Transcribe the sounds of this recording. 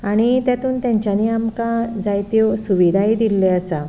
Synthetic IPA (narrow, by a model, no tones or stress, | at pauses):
aɽ̃it̪jat̪uːnt̪jãɲt͡ɕaniamkad͡zajt̪josuʋid̪ʱaid̪ilːeəsa